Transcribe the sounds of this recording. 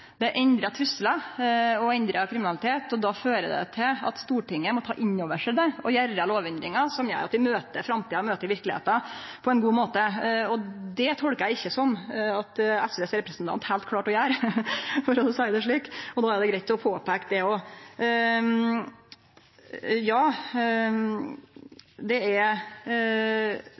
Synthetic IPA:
d̪ɛʔɛɲd̪ɾɑt̪ʰɾʏsəlɑɔɛnd̪ɾəkʰɾɪmɪnɑlɪt̪ʰeːt̪ɔd̪ɑːføːɾəd̪ɛ̰t̪ʰɪlɑ̰t̪st̪uːʈɪŋːəmɔt̪ʰɑ̰ːʔɪɲːoːʋəʂæd̪æɾɔjæɾːəloːʋɛnd̪ɾɪŋɑsɔmjæ̰ɾɑt̪d̪ɪmøːt̪əfɾɑmt̪iːɑmøːt̪əɾʋɪɾklɪḛːt̪ɑpʰɔɛnɡuːmoːt̪əɔd̪ɛt̪ʰɔlkəæɪçːəsɔmɑt̪ɛsʋɛːsɾɛpɾəsn̩t̪ʰɑ̰nt̪hæɪlt̪kʰlɑːʈɔjæːɾfɔɾɔsæɪd̪ɛʂ̬ɭiːkɔd̪ɑːæɾd̪ɛɡɾæɪt̪ʰːɪlɔpʰoːpʰɛːkd̪ɛɔ | jɑː | d̪ɛæɾ

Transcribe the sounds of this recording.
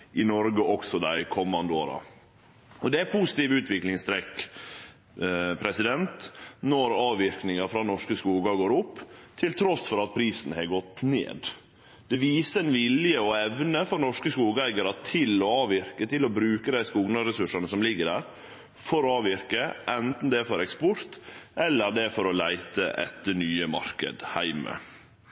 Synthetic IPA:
ʔɪnɔɾɡəʔɔksɔd̪æɪkʰɔmːɑnd̪əo̰ːɾɑ̰ | ɔd̪ɛæpʰuːsɪ̥t̪iːʋʉːt̪ʋɪklɪŋst̪ʰɾɛk | pʰɾɛsɪd̪ɛnt̪nɔɾɑːʋʋɪɾknɪŋɑfɾɑnɔʂkəskuːɡɑɡoːɾʊpːt̪ʰɪlt̪ʰɾɔsfɔɾɑt̪̚pʰɾiːsn̩hɛɡɔt̪nḛːd̪ | d̪̥ɛʋiːsəɛnʋɪljəɔɛʋnəfɔɾnɔʂkəskuːɡəæɪɡəɾɑt̪ʰɪlɔɑːʋɪɾkət̪ʰɪlɔbɾʉːkəd̪æɪskuːɡnɑɾɛsʉʂɑnəsɔmlɪɡːəɖæːɾ | fɔɾɔɑːʋɪɾkəʔɛnt̪n̩d̪ɛfɔɾɛkspɔɾt̪ʔɛlːəɾd̪ɛfɔɾɔlæɪt̪əʔɛ̰t̪nyːəmɑ̰ɾkə̰d̪hæɪmə̰

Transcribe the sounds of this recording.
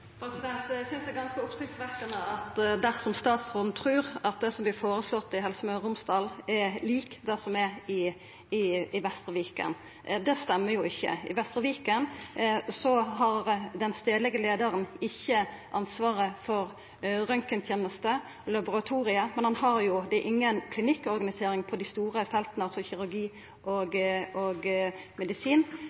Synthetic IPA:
pʰɾɛsɪd̪ɛnt̪æsʏnsd̪ɛɡɑnskəʊpsʁɪkt̪sʋæɾkənəɑt̪d̪æʁsɔmst̪ɑːt̪sʁoːnt̪ʰɾʉːɾɑt̪̚d̪ɛsɔmblɪɾfoːɾəslɔt̪ːɪɦɛlsəmœɾʊmsd̪ɑːlɛliːkd̪æsɔmɛɪ | ɪɪʋɛst̪ɾəʋiːkə̰n | d̪ɛst̪ɛmːəjʊɪçːə̰ɪ̰ʋɛst̪ɾəʋiːkənsɔɦɑɾd̪ɛnst̪eːd̪lɛɡəleːd̪əɾənɪçːəʔɑnsʋɑːɾəfɔɾ | ɾœŋkənt̪ʰjeːnəst̪ə | lɑbʊɾɑt̪ʰuːɾɪəmɛnhɑnhɑɾjʊd̪ɛʔɪŋːənkʰlɪnɪkːɔɾɡɑnɪseːɾɪŋpʰɔd̪æɪst̪uːɾəfɛlt̪nəɑlsɔçɪɾʉɾɡiː | ʔoɡoɡmɛd̪ɪsiːn

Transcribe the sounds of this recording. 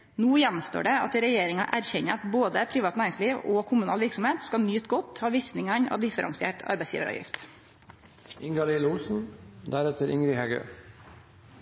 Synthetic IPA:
nuːjænːmst̪o̰ːɖɛɑ̰t̪ɾɛjeːɾɪŋɑ̰ʔæɾçɛɲəɑt̪boːd̪əpʰɾiːʋɑːt̪næːɾɪŋsliːʋoːkʰʊmʉnɑ̰ːlʋɪɾksɔmheːt̪skɑnjyːt̪ɡɔt̪hɑːʋɪft̪nɪŋɑɲɑ̰ːʋd̪ɪfəɾʔɑ̰ŋsɪḛːʈɑ̰ɾbɛɪsjḭːʋəɾʔɑ̰ʋjɪ̰ft̪ | ɪŋɡɑlɪːlusn̩d̪æɾɛt̪ʰəɾɪŋɾɪhɛɡø̰ː

